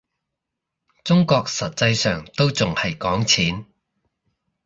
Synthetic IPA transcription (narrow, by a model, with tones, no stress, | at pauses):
t͡sʊ˥ŋkɔː˧k̚sɐ˨t̚t͡sɐ˧jsœː˨ŋt̪o˥wt͡sʊ˨ŋhɐ˨jkɔː˨˥ŋt͡sʰiː˨˥n